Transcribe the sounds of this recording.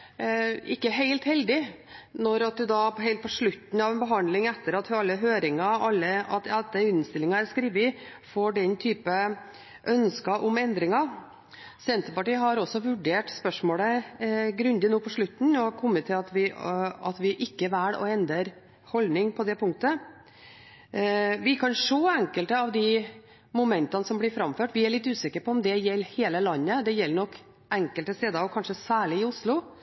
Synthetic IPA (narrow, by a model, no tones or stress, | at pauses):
ɪkːəɦeɪlt̪hɛld̪ɪ | nɔɾɑt̪̚d̪ʉd̪ɑpɦɛɪlt̪̚pʰɔʂɭʉt̪ːn̩ɑʋɛnbəɦɑnd̪lɪŋɛt̪ːəɾɑt̪ʰfɑlːəɦøːɾɪŋɑɑlːəɑt̪ɑd̪ɛʏnst̪ɪlɪŋɑæɾskɾiːʋɪfoːɖɛnt̪ʰyːpə | ʔœnskɑʔʊmɛnd̪ɾɪŋɑ | sɛnt̪əɾpɑʈiːɦɑɾɔsɔʋʉɖeːʈspœʂmoːləɡɾʉnd̪ɪnoːpʰɔʂɭʉt̪ːn̩ɔhɑkʰɔmːət̪ʰːɪlɑt̪ʋɪɑ̰t̪ʋɪʔɪkːəʋæːɽɔ̰ɛnd̪əɾ | hɔlnɪŋpʰɔd̪ɛpʰʊŋk̚t̪ə | ʋɪkʰɑnʂoːæŋkəlt̪əɑʋd̪ɪ | mʊmɛnt̪ɑnəsɔmblɪɾfɾɑmføːʈʋɪæɭɪt̪ːʉːsɪkəɾpɔɔmd̪ɛjɛlːheːləlɑnːəd̪ɛjɛlːənɔkː | ʔɛŋkəlt̪əst̪eːd̪əɑɔkʰɑnʂəsæːɭɪɪʊslʊ